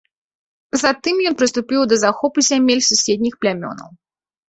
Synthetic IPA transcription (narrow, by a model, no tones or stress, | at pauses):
zat̪ɨmjɔnpɾɨst̪upʲiwd̪ɐzaxɔpuzʲamʲelʲsusʲed̪̚ʲnʲixplʲamʲɔ̰nɐ̰w